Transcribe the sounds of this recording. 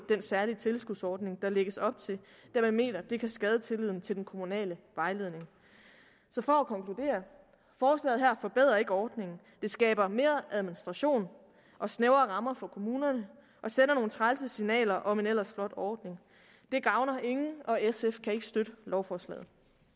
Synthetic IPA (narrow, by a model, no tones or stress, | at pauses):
d̥ensæɐlit͡sʰe̝lsɡ̥uðd̥ˠsɒːd̥ne̝ŋd̥ɑ̈leɡ̥əsɒ̽b̥̚t͡sʰe̝ld̥æɐmeme̝̰ːnɐd̥e̝kʰæsɡ̥ɛːð̞ˠət͡sʰe̝liðˠn̩t͡sʰe̝ldenkʰo̝munɛ̰ːləʋɑ̈ɪle̝ðˠne̝ŋ | sɒ̽fɒ̽ækʰɒ̽ŋkʰlud̥e̝̰ːɐ | fɒːslɛ̰ːð̩ˠɦæɐ̰fɒ̽b̥e̝ð̞̰ˠʁɐe̝ɡ̥əɒːd̥ne̝ŋn̩ | d̥e̝sɡ̥ɛ̰ːb̥ɐme̝ːɐʔæðˠminisd̥ʁɑ̈ɕo̝̰ːn | ʔɒ̽sneʊɐːʁɑ̈mɐfɒ̽kʰo̝muːnɐnə | ʔɒ̽senɐno̝ːn̩t͡sʰʁalsəsinɛ̰ːlɐʔɒ̽me̝nel̰ɐsflɒ̽d̥ɒːd̥ne̝ŋ | d̥e̝ɡ̥ɑ̈ʊnɐʔe̝ŋn̩ɒ̽esefkʰæe̝ɡ̥əsd̥øɾ̥əlɒʊfɒːslɛ̰ːð̩ˠ